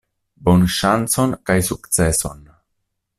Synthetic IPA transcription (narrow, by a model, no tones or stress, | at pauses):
bo̞nʃant͡so̞nkajsukt͡se̞so̞n